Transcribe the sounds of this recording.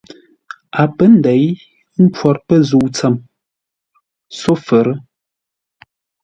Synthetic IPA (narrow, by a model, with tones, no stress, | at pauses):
a˨pə˦n̩˨dɛ˨˦j | m̩˦pwɔ˨ɾpə˦zu˨t͡sə˨m | so˦fə˨ɾə˦